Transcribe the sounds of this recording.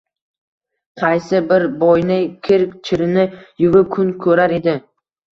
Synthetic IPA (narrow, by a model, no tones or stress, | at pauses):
qʰɑjsɪbɪɾbɔjnɪkʲʰɪɾkʲt͡ʃʰɪɾɪnɪjʊvɪp̚kʰʊnkʰɵɾaɾe̞d̪ɪ